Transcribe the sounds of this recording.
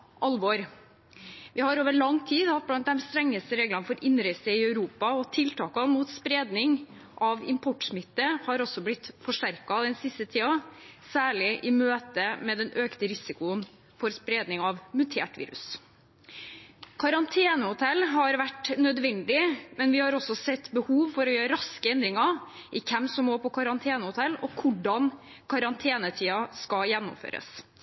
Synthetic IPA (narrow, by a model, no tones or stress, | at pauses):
ʔɑlʋɔɾ | ʋɪhɑɾoːʋəɭɑŋt̪ʰiːd̪hɑt̪̚blɑnt̪̚d̪ɛmst̪ɾɛŋːəst̪əɾeːɡlɑnfɔɾʔɪnːɾɪsəɪœʉɾuːpɑɔt̪ʰɪlt̪ɑːkɑnmuːt̪spɾeːd̪nɪŋ | ʔɑʋɪ̰mpʰɔʈʂmɪt̪ːəhɑɾɔsːɔblɪt̪fɔʂʈæɾkɑd̪ɛnsɪst̪ət̪ʰiːɑsæːɭɪʔɪmøːt̪əmɛd̪ɛnʔøːkt̪əɾɪsɪkʊən | fɔɾspɾeːd̪nɪŋɑʋmʉt̪ʰḛːʈʋḭːɾʉ̰s | kʰɑɾɑnt̪ʰeːnəhʊt̪ʰɛlːɦɑɾʋæʈːnœd̪ʋɛnd̪ɪmɛnʋɪhɑɾɔsɔsɛt̪ːbəhuːʋfɔɾɔjøːɾəɾɑskəɛnd̪ɾɪŋɑʔɪkʰɛmsɔmːoːpʰɔkʰɑɾɑnt̪ʰeːnəhʊt̪ʰɛlːɔkʰʊɖɑn | kʰɑɾɑnt̪ʰeːnət̪ʰiːɑskɑjɛnːʊ̰mfø̰ːɾə̰s